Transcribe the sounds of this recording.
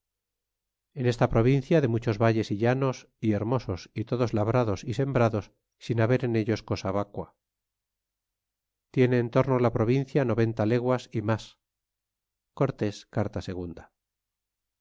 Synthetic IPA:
e̞ne̞st̪apɾo̞β̞inθjaðe̞mut͡ʃo̞zβaʎe̞siʎano̞s | ie̞ɾmo̞so̞sit̪o̞ðo̞zlaβ̞ɾaðo̞sise̞mbɾaðo̞sː | inaβe̞ɾe̞ne̞ʎo̞sko̞saβakwa | t̪je̞neːnt̪o̞ɾnolapɾo̞β̞inθjano̞βe̞nt̪ale̞ɣwasimas | ko̞ɾt̪e̞skaɾt̪ase̞ɣ̞und̪a

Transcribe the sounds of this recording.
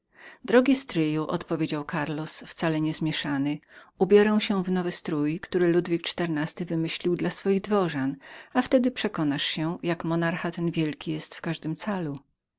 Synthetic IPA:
d̪ɾɔɡʲist̪ɾɘjuʔɔ̰t̪pɔvʲjed͡ʑawkʰaɾlɔsft̪salɛɲɛzmʲjɛʂanɘubʲjɔɾɛw̃ɕɛvnɔvɘst̪ɾujkt̪uɾɘlud̪vʲik̚t͡ʂt̪ɛɾnast̪ɘvɘmɘɕlʲiwd̪lasfɔjiɣd̪vɔʐanaft̪ɛd̪ɘpʂɛkɔnaʂɕɛjakmɔnaɾxat̪ɛnvʲjɛlkʲijɛst̪fkaʐd̪ɘmt̪salu

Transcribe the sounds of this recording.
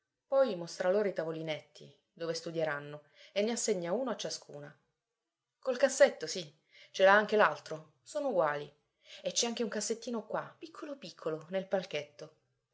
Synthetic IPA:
pɔjmost̪ɾaloːɾait̪avolinet̪ːḭ | d̪oːvest̪ud̪jeɾanːo | enːeasːeɲːauːnoat͡ʃːaskʰṵːna | kolkasːet̪ːosi | t͡ʃelaaŋk̟elalt̪ɾo | soːnouɡwaːli | et͡ʃːɛaŋk̟euŋkasːet̪ːiːnokwapikʰːolopikʰːolonelpalket̪ːo

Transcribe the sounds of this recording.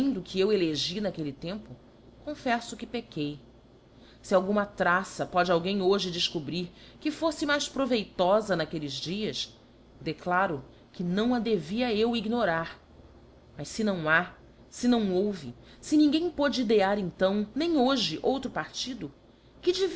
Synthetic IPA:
ẽd̪ʊkʰɪeweleʒinakelɪt̪ẽmpʊ | kõfɛsʊkɪpekʰej | sɪawɡũmɐt̪ɾasɐpɔd͡ʒɪawɡẽj̃oʒɪd͡ʒɪskubɾiɾkɪfosɪmajʃpɾovejt̪ɔzɐnakelɪzd͡ʒiɐs | d̪eklaɾʊ | kɪnɐ̃w̃ɐd̪eviɐewiɡnoɾaɾ | mɐʃsɪnɐ̃w̃a | sɪnɐ̃w̃owvɪ | sɪnĩɡẽj̃pɔd͡ʒɪid̪eaɾẽnt̪ɐ̃w̃nẽj̃oʒɪʔowt̪ɾʊpaɾt͡ʃid̪ʊ | kɪd͡ʒiv

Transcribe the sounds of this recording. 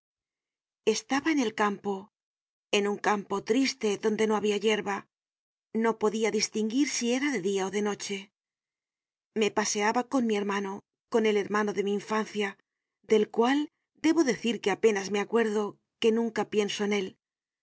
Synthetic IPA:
e̞st̪aβaene̞lkampo̞ | e̞nuŋkampo̞t̪ɾist̪e̞ðo̞nd̪e̞no̞aβiaʝe̞ɾβa | no̞po̞ðiaðist̪iŋɡiɾsie̞ɾaðe̞ðiao̞ðe̞no̞t͡ʃe̞ | me̞pase̞aβako̞nmie̞ɾmano̞ | ko̞ne̞le̞ɾmano̞ðe̞miːɱfanθja | d̪e̞lkwal | d̪e̞βo̞ðe̞θiɾke̞ape̞nazme̞akwe̞ɾðo̞ | ke̞nũŋkapje̞nso̞ene̞l

